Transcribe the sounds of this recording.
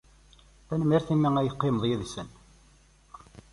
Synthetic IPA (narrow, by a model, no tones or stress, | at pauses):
ænəmːiɾθimːiŋæjəqːɪməðˤjiðsən